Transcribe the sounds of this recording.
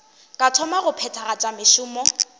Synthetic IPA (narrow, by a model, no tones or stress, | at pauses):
kʼatʰɔmaɣʊpʰɛtʰaɣat͡ʃʼamɪʃʊːmɔ